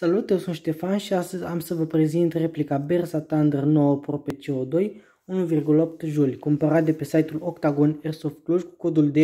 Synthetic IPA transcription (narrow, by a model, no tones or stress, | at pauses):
salut̪jesunʃt̪e̞fanʃiast̪əzʲamsəvəpɾe̞zint̪re̞plikabe̞rsat̪and̪ərno̞wəpɾopet͡ʃeod̪o̞j | unuvirɡuləo̞p̚t̪ʒulʲjkumpəɾat̪̚d̪epe̞sajt̪ulokt̪aɡonersoft̪̚kluʒku̥ko̞d̪uld̪e